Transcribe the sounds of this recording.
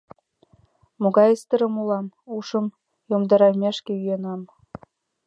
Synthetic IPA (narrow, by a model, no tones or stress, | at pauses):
moɡɑjəst̪ɤ̆ɾɤ̆mulˠɑmuʃɤ̆m | jomd̪ɑɾɑlmʲeʃkʲĕyjenɑm